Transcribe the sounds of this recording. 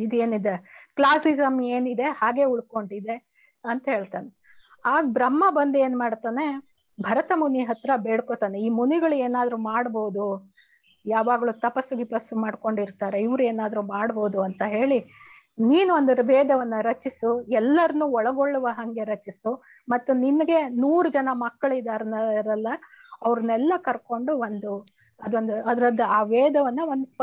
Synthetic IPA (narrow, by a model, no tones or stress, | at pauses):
id̪e̞ːnid̪eklaːsizɐmeːnid̪e̞haːɡe̞ːuɭko̞ɳɖid̪e̞ | ɐnt̪ɐɦe̞ːɭt̪aːne | aːɡbɾɐmːɐbɐnd̪eːnmaːɽt̪aːne̞ | bʱɐɾɐt̪ɐmuniɦɐt̪ɾɐbeːɽkoːt̪aːneiːmuniɡɐɭueːnaːd̪ɐɾumaːɽboːud̪u | jaːʋaːɡɐɭut̪ɐpɐsːuɡipɐsːumaːɖko̞ɳɖiɾt̪aːɾe̞iʋɾueːnaːd̪ɐɾumaːɽbo̞ːd̪uɐnt̪ɐɦe̞ːɭi | niːnuond̪uɾɐbɛːd̪ɐʋɐnːɐɾɐt͡ʃisuɛlːɐɾɐnːuːɔɭɐɡo̞ɭːuʋɐɦɐŋɡe̞ɾɐt͡ʃisu | mɐt̪ːuninːɐɡe̞nuːɾud͡ʒɐnɐmɐkːɐɭid̪aːɾɐnɐɾɐlːɐ | ɐʋɾunɛlːɐkɐɾko̞ɳɖuʋond̪u | ɐd̪ond̪uɐd̪ɾɐd̪ɐaːʋɛːd̪ɐʋɐnːɐʋond̪u